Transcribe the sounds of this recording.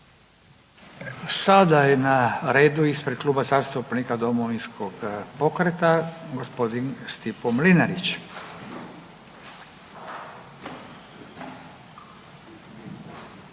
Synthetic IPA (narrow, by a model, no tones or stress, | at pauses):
sad̪ajenaɾeːd̪uispɾed̪̚kluːbazaːst̪upnikad̪o̞moʋinskʰoɡpo̞kɾet̪aɡospo̞d̪inst̪ipomlinaɾit͡ɕ